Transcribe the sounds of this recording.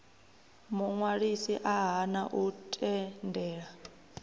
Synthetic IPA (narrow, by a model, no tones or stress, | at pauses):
muŋwaɺisiʔaɦanaʔutʼɛndɛːɺa